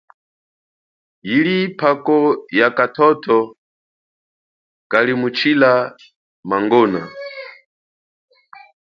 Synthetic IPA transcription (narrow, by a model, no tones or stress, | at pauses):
jilipʰakɔjakatʰɔtʰɔ | kalimut͡ʃʰila | maŋɡɔːna